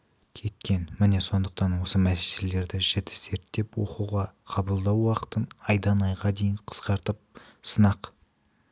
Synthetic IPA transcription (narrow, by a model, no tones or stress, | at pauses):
kʲʰe̞t̪kʲe̞nmɪne̞so̞nd̪əq̚t̪ɑnwo̞səmæse̥selele̞ɾd̪ɪʒɪt̪ɪ̥se̞ɾt̪ːe̞pwo̞̰quʁɑqʰɑbəlˠd̪ɑwːɑqə̥t̪ənɑjd̪ɑnɑjʁɑd̪e̞jɪnqʰə̥sqɑɾt̪əp̚sənɑq